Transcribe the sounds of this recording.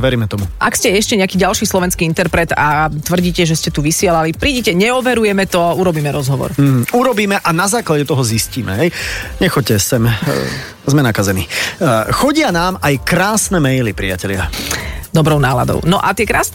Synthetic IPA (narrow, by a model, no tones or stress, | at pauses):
ʋɛɾiːmɛt̪ɔmuʔakscɛɛʃcɛɲɛakiːɟalʃiːslɔʋɛnskiːint̪ɛɾpɾɛt̪at̪ʋr̩ɟiːcɛʒɛscɛt̪uʋisɪɛlalipɾiːɟicɛɲɛɔʋɛɾujɛmɛt̪ɔuɾɔbiːmɛɾɔzɦɔʋɔ̰ɾm̩ːɦ̩uɾɔbiːmɛʔanazaːklaɟɛt̪ɔɦɔzisciːmɛ̰ɦɛjɲɛxɔc̚cːɛsɛm | zmɛnakazɛnixɔɟɪanaːmajkɾaːsnɛmɛjlipɾiacɛlɪad̪ɔbɾɔʊnaːla̰d̪ɔ̰ʊnɔʔat̪ɪɛkɾaːs